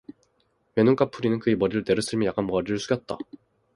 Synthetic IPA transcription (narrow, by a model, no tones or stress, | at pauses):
me̞noŋk͈apʰuɾinɯnkɯemʌɾiɾɯɭte̞ɾɯs͈ʰɯɭmijak͈anmʌʌɾiɾɯɭs͈uɡjʌt̚t͈a̰